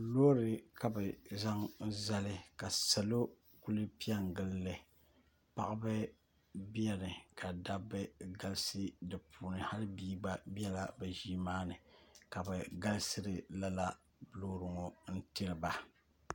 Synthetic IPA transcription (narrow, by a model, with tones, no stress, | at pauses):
loː˦ɾɨ˨ka˨bɨ˨za˦ŋza˦lɨ˦ka˨sa˨lo˦ | ku˦lɨ˦pi˦ɛ˦ŋɡɨ˦lːɨ˨ | pa̰˨ʔa˦bɨ˦ | bi˦ɛ˦nɨ˨ka˨da˦bɨ˦ɡa˦lsɨ˦dɨ˨pʰuː˨nɨ˨ha˦lɨ˦biː˦ɡ͡ba˦bi˦ɛ˦la˨bɛ˨ʒiː˦maː˦nɨ˨ka˨bɛ˨ɡa˦lsɨ˦ɾɨ˨la˦la˦ | blo˦ɾɨ˨ŋɔ˨n̩˦ti˦ɾɨ˨ba˨